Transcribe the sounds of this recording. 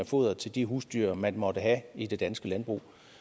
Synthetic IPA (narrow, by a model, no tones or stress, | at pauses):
æfo̝ð̰ˠɐt͡sʰe̝ld̥iɦuːsd̥yːɐmænmɒ̽d̥əɦæid̥e̝d̥ænsɡ̥əlænb̥ʁṵː